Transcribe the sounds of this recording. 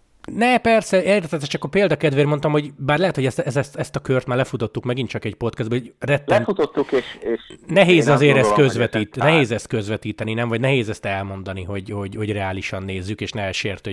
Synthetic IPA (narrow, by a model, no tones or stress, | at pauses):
nɛpɛrsɛet̪ɛt̪ɛt̪ːɛt͡ʃɒkːɒpeːld̪ɒkɛd̪ʋeːrmo̞nt̪ɒmɦo̞ɟbaːrlɛɦɛt̪ho̞ɟɛst̪ɛzɛst̪ɛst̪ɒkørt̪maːrlɛfut̪o̞t̪ːukmɛɡint͡ʃɒkɛɟpo̞t̪kɛzd̪bɛorɛt̪ːlːɛɛmfut̪ot̪ːukeːʃeʃnɛɦeːzɒzeːɾɛstkøzvɛt̪iːt̪nɛɦeːzɛst̪̚køzʋɛt̪iːt̪ɛninɛɱvɒɟnɛɦeːzɛst̪ɛlmo̞nd̪ɒniɦo̞ɟho̞ɟho̞ɟrɛaːliʃɒnːeːzːykeːʃnɛɛlʃeːrt̪ø